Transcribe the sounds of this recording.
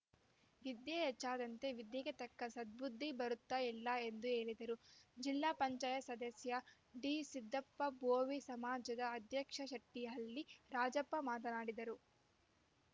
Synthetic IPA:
ʋid̪jɐɛt͡ʃːaːd̪ɐnt̪e̞ʋid̪jɐɡet̪ɐkːɐsɐd̪̚bud̪ʱːibɐɾut̪ːailːɐe̞nd̪ue̞ːɭid̪ɐɾud͡ʒilːaːpɐɲt͡ʃaːjɐsɐd̪ɐsjɐ | ɖiːsid̪ːɐpːɐboːʋisɐmaːd͡ʒɐd̪ɐːd̪ʱjɐkʂɐʃɐʈːijɐlːiɾaːd͡ʒɐpːɐmaːt̪ɐnaːɽid̪ɐɾu

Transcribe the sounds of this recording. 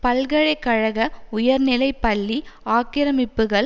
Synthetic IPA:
pɐlɣɐɻɐɪkːɐɻɐɣɐʊjɐɾnɪlɐɪpːɐɭːiaːkɪɾɐmɪpːɯɣɐɭ

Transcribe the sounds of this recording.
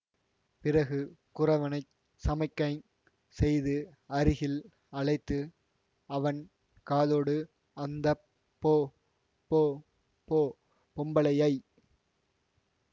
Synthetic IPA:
pɪrɐɣɯkʊrɐʋɐnɐɪ | sɐmɐɪkːɐɪ | sɛjðɯɐɾɪɣɪl | ɐɭɐɪt̪ːɯ | ɐʋɐn | kaːðoːɽɯ | ɐnd̪ɐ | pːoː | pːoː | pːoː | pʊmbɐɭɐjɐɪ

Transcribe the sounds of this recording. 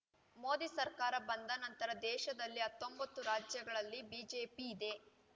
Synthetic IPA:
mo̞ːd̪isɐɾkaːɾɐbɐnd̪ɐnɐnt̪ɐɾɐd̪ɛːʃɐd̪ɐlːiɦɐt̪ːo̞mbɐt̪ːuɾaːd͡ʒjɐɡɐɭɐlːibiːd͡ʒeːpiːd̪e̞

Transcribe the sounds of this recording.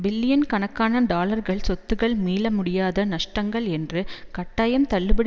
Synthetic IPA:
bɪlːɪjɐnkɐɳɐkːaːnɐɖaːlɐɾɣɐɭsɔt̪ːɯɣɐɭmiːlɐmʊɽɪjaːðɐnɐʂʈɐŋɡɐɭɛndrɯkɐʈːaːjɐmt̪ɐɭːɯbɪɽ

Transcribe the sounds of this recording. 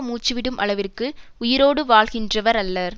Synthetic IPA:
muːt͡ʃːɯʋɪɽɯmʔɐɭɐʋɪrkɯʊjɪɾoːɽɯʋaːɭɣɪndrɐʋɐɾɐlːɐɾ

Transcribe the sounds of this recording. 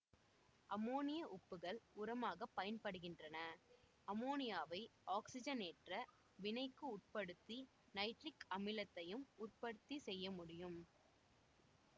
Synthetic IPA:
ʔɐmoːnɪjɐʔʊpːɯɣɐɭʊɾɐmaːɣɐpːɐjɐnpɐɽɯɣɪndrɐnɐ | ʔɐmoːnɪjaːʋɐɪʔaːksɪd͡ʒɐneːʈrɐ | ʋɪnɐɪkːɯʊʈ̚pɐɽɯt̪ːi | nɐɪʈrɪkɐmɪlɐt̪ːɐjɯmʊr̚pɐɽɯt̪ːisɛjːɐmʊɽɪjɯm

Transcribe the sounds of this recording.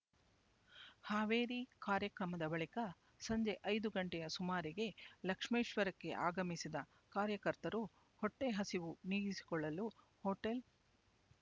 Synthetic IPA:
haːʋeːɾikaːɾjɐkɾɐmɐd̪ɐbɐɭikɐ | sɐɲd͡ʒe̞ʔɐjd̪uɡɐɳʈɛjɐsumaːɾiɡe̞lɐkʂmiːʃʋɐɾɐkːe̞̰ʔaːɡɐmisid̪ɐ | kaːɾjɐkɐɾt̪ɐɾu | hɔʈːe̞ɦɐsiʋuniːɡisi̥kɔɭːɐlu | hoːʈel

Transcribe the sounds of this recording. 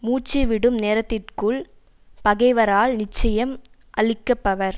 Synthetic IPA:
muːt͡ʃːiʋɪɽɯmneːɾɐt̪ːɪrkɯɭ | pɐɣɐɪʋɐɾaːlnɪt͡ʃːɐjɐm | ʔɐɭɪkːɐpːɐʋɐɾ

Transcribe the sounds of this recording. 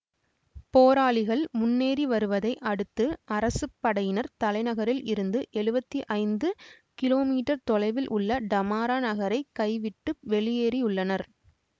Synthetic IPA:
poːɾaːɭɪɣɐɭmʊnːeːɾiʋɐɾɯʋɐðɐɪʔɐɽɯt̪ːɯɐɾɐsɯpːɐɽɐjɪnɐɾt̪ɐlɐɪnɐɣɐɾɪlɪɾɯnd̪ɯʔɛɻɯbɐt̪ːiʔɐɪnd̪ɯ | kɪloːmiːʈːɐɾt̪ɔlɐɪʋɪlʔʊɭːɐɖɐmaːɾaːnɐɣɐɾɐɪkːɐɪʋɪʈːɯʋɛɭɪjeːɾijʊɭːɐnɐɾ

